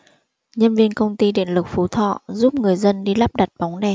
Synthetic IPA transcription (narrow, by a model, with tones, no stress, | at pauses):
ɲə˧nvi˧ənkə˧wŋ͡mt̪i˧ɗḭ˧˨ənlɨ˨˩k̚fu˨˦t̪ʰɔ̰˧˨zu˦˥p̚ŋɨ˨˩əjzə˧nɗi˧laː˦˥p̚ɗa˨˩t̚ɓa˨˦wŋ͡mnɛ˨˩